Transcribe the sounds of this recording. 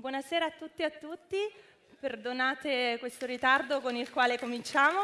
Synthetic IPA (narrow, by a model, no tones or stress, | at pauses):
bwɔːnasɛːɾaːt̪ːut̪ːiat̪ːut̪ːi | perd̪onaːt̪ekwest̪oɾit̪ard̪okonilkwaːlekomint͡ʃaːmo